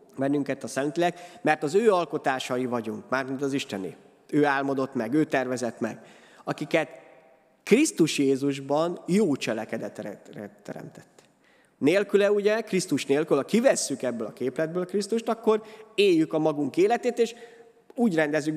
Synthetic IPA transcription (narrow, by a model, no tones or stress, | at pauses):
bɛnːyŋkɛt̪ɒsɛnt̪lilɛkmɛrt̪ɒzøːɒlko̞t̪aːʃɒjivɒɟuŋkmaːrmint̪ɒziʃt̪ɛnḭ | øːaːlmod̪o̞t̪mɛɡøːt̪ɛrvɛzɛt̪mɛ̰ɡ | ɒkikɛt̪ | krist̪uʃjeːzuʒbɒnjoːt͡ʃɛlɛkɛd̪ɛt̪ɾɛ̰rɛt̪ːɛ̰ɾɛ̰mt̪ɛ̥t̪ː | neːlkylɛuɟɛkrist̪uʃneːlkylhɒkivɛsːykɛbːøːlɒkeːplɛd̪̚bøːlkrist̪uʃt̪ɒkːo̞reːjːykɒmɒɡuŋkeːlɛt̪eːt̪eːʃ | uːɟrɛnd̪ɛzːyk